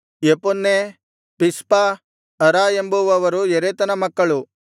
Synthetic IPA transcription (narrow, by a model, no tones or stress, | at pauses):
jepunːe | pispa | ɐɾaːembuʋɐʋɐɾueɾeːt̪ɐnɐmɐkːɐɭu